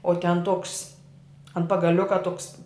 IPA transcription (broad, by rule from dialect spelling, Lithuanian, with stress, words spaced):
oː tʲɛn toːks ɐnt pɐɡɐˈlʲʊkɐ toːks